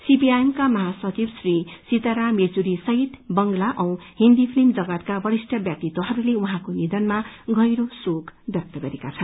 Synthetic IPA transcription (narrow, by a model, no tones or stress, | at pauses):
sipiajemkamʌɦasʌt͡sibsrisit̪aɾamed͡zuɾisʌɦit̪bʌŋɡlaʔʌ̃w̃hĩnd̪ipʰlimd͡zʌɡʌt̪kabʌɾisʈʰʌbjak̚t̪it̪ːoɦʌɾuleuɦãkonid̪ʌnmaɡʱʌjɾosokbjʌk̚t̪ʌɡʌɾekat͡sʰʌn